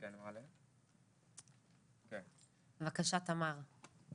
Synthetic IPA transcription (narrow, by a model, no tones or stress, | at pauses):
kɛnmʁale | ken | vakaʃat̪amaʁ